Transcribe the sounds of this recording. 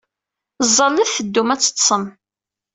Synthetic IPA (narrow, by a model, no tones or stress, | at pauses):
zˤːɑlːəðθəd̪ːumæt͡sːə̥t̪sˤəm